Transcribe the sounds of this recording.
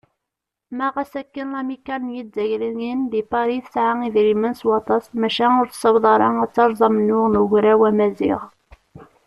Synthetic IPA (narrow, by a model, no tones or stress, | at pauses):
mæʁæsækːənlæmikːælnjizæʝɾənjinðipɑɾiθəsʕaiðɾimənswɑt̪ˤɑsmæʃænʊɾθsəwðˤɑɾˤɑæt͡sːɑɾˤzˤɑmənːʊʁnəʝɾæwæmæzḭʁ